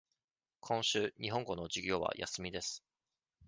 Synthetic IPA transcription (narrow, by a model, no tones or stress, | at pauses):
kʰõ̞ɰ̃ɕɨːɲ̟iɦõ̞ŋɡo̞no̞d͡ʑiɡʲo̞ːβa̰jʔa̰sɨmʲid̪e̞sɨ̥